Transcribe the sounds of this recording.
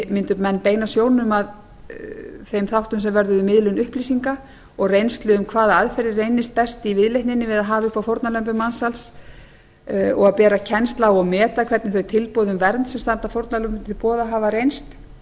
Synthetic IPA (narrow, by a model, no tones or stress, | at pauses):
mɪnt̪ʏmɛnːpeːjnasjoːwnnʏmað | θejmθawht̪ʏmsɛmvɛɾðʏðʏmɪðlʏnʏhplisiŋka | ɔɣrejnst̪lʏʏmkʰvaːðaaðfɛɾðɪrejnɪst̪̚pɛst̪ɪivɪðlejht̪nɪnːɪvɪðaðɦaːvaʏhpafowɾt̪nalœmp̬ʏmansals | ɔ̰ɣaðpɛːɾacʰɛnst̪lawɔɣmɛːt̪akʰv̥ɛɾt̪nɪθœɥjt̪ʰɪlpɔðʏmvɛɾt̪nsɛmst̪ant̪afowɾt̪nalœmpɪt̪ɪpɔːðaɦaːvarejnst̪